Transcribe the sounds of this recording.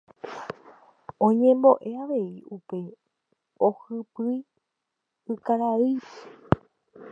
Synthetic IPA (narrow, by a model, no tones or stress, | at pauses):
õɲẽ̞mbo̞ʔe̞aʋe̞iupe̞ | ohɨpɨj | ɨkaɾaɨʃe